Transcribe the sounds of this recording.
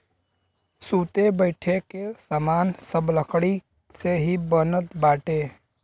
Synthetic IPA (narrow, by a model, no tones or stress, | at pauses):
suːt̪ebəɪʈʰekesəmaːnsəbləkʰɽi | seɦibənət̪baːʈeː